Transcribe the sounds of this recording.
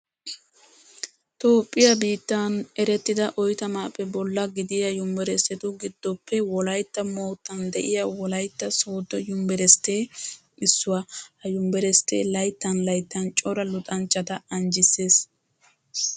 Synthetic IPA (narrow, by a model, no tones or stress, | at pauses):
t̪o̞ːpʼːɪjɐbiːt̪ːɐnɛɾɛt̪ːɪd̪ɐʔɔjt̪ɐmaːpːɛbɔlːɐɡɪd̪ɪjɐjʊmbɛɾɛsɛt̪ʊɡɪd̪ːɔpʰːɛwɔlɐjt̪ːɐmo̞ːt̪ːɐnd̪ɛʔɪjɐwɔlɐjt̪ːɐso̞ːd̪ɔjʊmbɛɾɛst̪ːe̞ː | ɪsːʊwahɐjʊmbɛɾɛst̪ːḛːlɐjt̪ːɐnlɐjt̪ːɐnt͡ʃʼɔɾɐlʊt̪ʼɐnt͡ʃʼːɐt̪ɐɐnd͡ʒɪsːe̞ːs